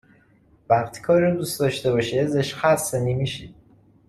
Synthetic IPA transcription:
væχt̪ʰkʰɒːɾɔd̪uːsd̪ɒːʃt̪ebɒːʃezeʃxæsenimiʃid̪

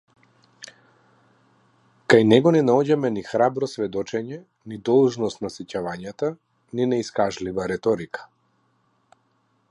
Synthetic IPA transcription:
kajnɛɡɔnɛnaɔɟamɛnixɾabɾɔsvɛd̪ɔt͡ʃɛɲɛ | nid̪ɔlˠʒnɔst̪nasɛcavaɲat̪a | ninɛiskaʒlivaɾɛt̪ɔɾikḁ

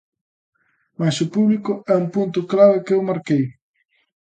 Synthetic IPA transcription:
masʊpuβlikʊɛumpunt̪̬ʊklaβɪkewmaɾkej

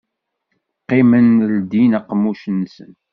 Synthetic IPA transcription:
qːimənld̪inæqːmuʃənsə̰n

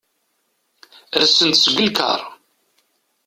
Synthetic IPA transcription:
ɾsənt̪sɡʷəlkə̰ɾˤ

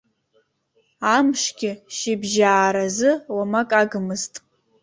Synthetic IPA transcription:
amʂɡʲɪʃɪbʒaːɾazɨwamakʼaɡɨmɨztʼ

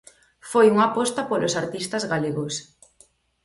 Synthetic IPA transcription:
fojuŋapɔst̪ɐpolosaɾt̪ist̪azɣaleɣos

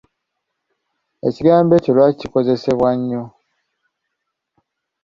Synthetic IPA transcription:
e̞̰ciɡaːmbe̞ːcolwacciko̞ze̞se̞βwaɲːo

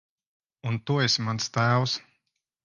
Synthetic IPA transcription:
unt̪uɔesʲmanst̪æːws

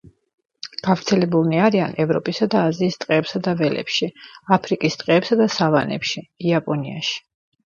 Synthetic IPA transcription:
ɡ̥avɾt̪sʰɛlɛbulˠniaɾianɛvɾɔ̰pʼisad̪aːziːst̪ʼqʼɛːpsad̪avɛlɛ̰pʃiapʰɾikʼist̪ʼqʼɛːpsad̪asavanɛ̰pʃiːapʼɔnia̰ʃi̥

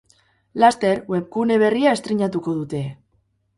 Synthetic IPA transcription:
last̪e̞ɾwe̞p̚kune̞β̞e̞riae̞st̪ɾiɲat̪uko̞ð̞ut̪e̞

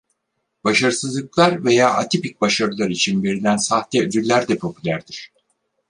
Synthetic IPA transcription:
b̥aʃaɾɯsɯzlˠɯklˠaɾve̞jaːʔat̪ʰipic̚baʃaɾɯlˠaɾit͡ʃʰinbeɾid̪ænsaht̪ɛød̪yɾlʲæɾd̪ɛpʰo̞pʰylʲæɾd̪iɾ̥

